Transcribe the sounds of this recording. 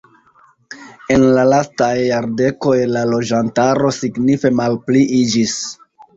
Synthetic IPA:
e̞nlalastajːaɾde̞ko̞jlalo̞d͡ʒantaɾo̞siɡnife̞malpliʔid͡ʒis

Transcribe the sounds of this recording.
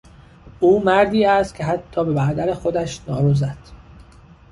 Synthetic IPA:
ʔuːmæɾd̪iːæst̪̚cʰe̞ɦæt̪ʰːɒːbe̞bæd̪æɾexo̞d̪æʃnɒːɾuzæd̪̥

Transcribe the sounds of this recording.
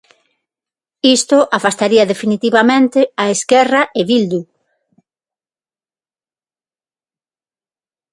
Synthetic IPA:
ist̪ʊʔafast̪aɾiɐðefinit̪iβamẽnt̪ɪaeskɛraʔɪβild̪u

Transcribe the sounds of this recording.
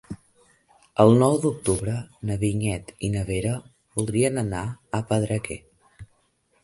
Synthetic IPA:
əlˠnɔwd̪uk̚t̪uβɾənəβiɲɛt̪inəβeɾə | βulˠd̪ɾiənənaəpəðɾəkɛ

